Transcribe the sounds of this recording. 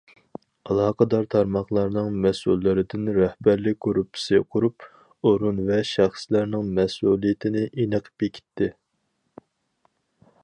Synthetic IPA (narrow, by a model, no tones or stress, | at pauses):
ɑlˠɑːqʰəd̪ɑɾt̪ʰɑɾmɑχlˠɑɾnɨŋmɛsṵlˠːɪɾɪd̪ɪnɾɛhbæɾlɪk̚ʲkʰoɾupʰsijqʰʊɾup | oɾunvɛʃæχslæɾnɪŋmɛsulˠijɪt̪ʰɪnɪʔinɨqʰə̥pekʲʰi̥t̪ʰːɪ